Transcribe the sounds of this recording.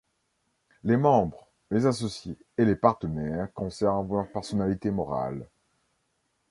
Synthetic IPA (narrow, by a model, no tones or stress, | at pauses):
lemɑ̃bʁ | lezasɔsje | elepaʁt̪ənɛʁkɔ̃sɛʁnvlœʁpɛʁsɔnalit̪emɔʁa̰l